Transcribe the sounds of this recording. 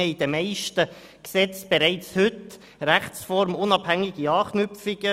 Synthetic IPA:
əid̥̪əmæɪʃtə | ksɛt͡sb̥ɛɾæɪt͡shʏt | ɾæχsfɔɾmʊnɑb̥hæŋiɡiɑːknʏpfiɡ̥ə

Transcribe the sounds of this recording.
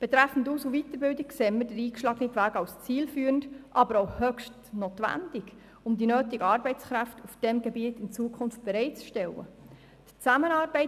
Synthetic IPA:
b̥ɛt̪ɾæfn̩dusuvit̪əɾbɪldɪkseːmədəɾiːkʃlɑɡnikʋæːɡɑwst͡siːlfyːɾəndʔɑbəɾowhœkʃtnot̪ʋæ̰ndɪɡ̥ | ʊmdinøːtiɡəɑːɾbɛɪt͡skɾæftʰufd̥ɛmɡɛbiətɪnt͡suəkʰʊnft̚b̥ɛɾɛɪtt͡sʃtɛlːə̰ | d̥t͡sæmənɑːɾbɛɪ

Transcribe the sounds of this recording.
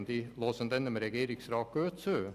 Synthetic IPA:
nd̪iloːsənd̪ɛnːəmeːɾɛɡeːɾɪŋsɾɑːkøːt̪søː

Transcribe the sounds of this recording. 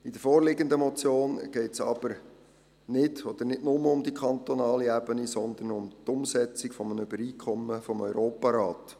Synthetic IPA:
id̪əɾfoːrlɪɡənd̪əmɔt͡sjoːnɡ̥ɛɪtsɑ̰b̥əɾ | nɪdɔd̥̪əɾnɪdnʊməʊmd̪ikʰɑnt̪ɔnɑːliæbənisɔnd̪ənʊmt̪ʊmsɛt͡sɪkfɔmənybəɾiːkʰχɔmːəfɔmœʏɾoːpɑɾɑːt̪

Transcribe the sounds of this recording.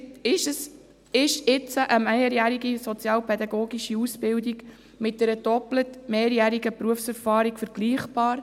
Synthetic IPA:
ɪʃəs | ɪʃɪt͡səʔəmɛjəɾjæɾiɡisɔt͡sjɑːlpʰɛd̪ɑɡoːɡiʃiusbɪldiɡ | mɪt̚d̥ɛɾəd̥ɔplətmeːɾjæːɾiɡəpɾuəfsɛɾfɑːɾikfəɾɡ̥liːχb̥ɑːɾ

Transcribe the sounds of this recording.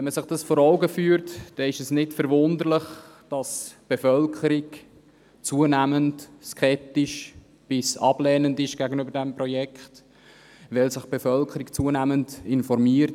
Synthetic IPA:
ɛnməsɪχd̥ɑsfoːɾɔʊɡəfyːəɾtd̥ɛɪʃɛsnɪtfəɾvʊndəɾlɪχ | d̥ɑsb̥efœlkʰəɾɪk | t͡suənæməntskʰɛp̚tɪʃ | b̥ɪsɑ̰b̥lɛːnəndɪʃɡ̥æɡənybəɾdɛmprɔjɛkχt | ʋɛlsɪχb̥efœlkχəɾikt͡suənæːməntɪnfɔɾmiəɾt

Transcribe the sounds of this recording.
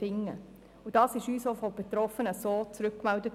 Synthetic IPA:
ɪŋːə̰ | ʊd̥ɑːsɪʃyːsofɔb̥etɾɔfənəsoːt͡sɾʏkːmɛldət

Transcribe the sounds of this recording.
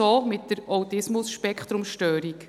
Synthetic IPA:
oːmɪtdəɾɔwt̪ɪsmʊsʃpɛkχt̪ɾʊmʃtøːɾik

